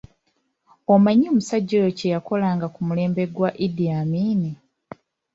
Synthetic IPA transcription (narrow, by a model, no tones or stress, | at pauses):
omaɲːoːmusaɟːoːjocejako̞laːŋɡakumule̞ːmbe̞ɡwaʔidiamiːni